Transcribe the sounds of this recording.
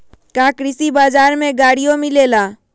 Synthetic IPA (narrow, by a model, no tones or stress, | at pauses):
kaːkɾɪsibaːd͡ʒaːɾmẽɡaːɽijõmɪleːlaː